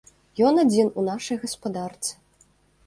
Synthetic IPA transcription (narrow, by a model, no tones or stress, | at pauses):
jɔnad͡zʲinunaʂɐjɣɐspad̪art̪sɨ̥